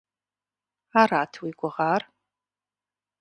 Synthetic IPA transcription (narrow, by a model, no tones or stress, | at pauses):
aːɾaːtʰwiːɡʷɔʁaːr